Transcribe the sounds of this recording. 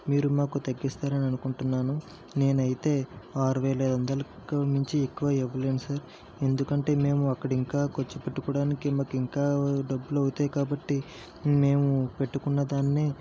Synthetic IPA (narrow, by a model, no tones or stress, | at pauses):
miːɾumaːkut̪ɐɡːist̪aːɾɐniɐnukuɳʈunːaːnu | ne̞ːnɐjit̪e̞ːaːɾuʋeːlɐjlɐnd̪ɐlɐkɐmiɲt͡ʃiekːuʋaːɛʋːɐle̞ːnusaːɾ | e̞nd̪ukɐɳʈe̞ːme̞ːmuɐkːɐɽiŋkaːkot͡ʃːupeʈːukɔːɽaːnikimaːkuiŋkaːɖɐbːulɐwut̪eːkaːbɐʈːi | me̞ːmupe̞ʈːukunːɐd̪aːnneː